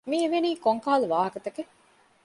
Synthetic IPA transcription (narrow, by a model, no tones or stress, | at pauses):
mieʋeniːkoŋkaːluʋaːɦɐkɐt̪ɐke